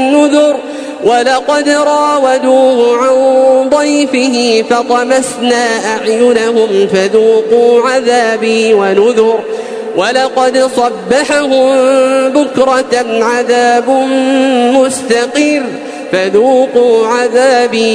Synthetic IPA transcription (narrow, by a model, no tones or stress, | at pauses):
nʊðʊɾ | walɑqɑd̪ɾˤɑːwad̪uːhʊʕand̪ˤɑjfɪɦɪfɑt̪ˤɑmasnaːʔaʕjʊnaɦʊmfaðuːquːʕaðaːbiːwanʊðʊɾ | walɑqɑd̪sˤɑbːaħaɦʊmbʊkɾˤɑʕaðaːbmmʊst̪ɑqiːɾ | faðuːquːʕaðaːbiː